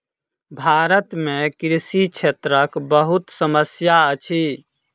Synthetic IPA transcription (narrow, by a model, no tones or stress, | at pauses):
bʱaɾət̪mekɾisit͡ʃʰet̪ɾəkbəɦut̪səməsjaət͡ʃʰi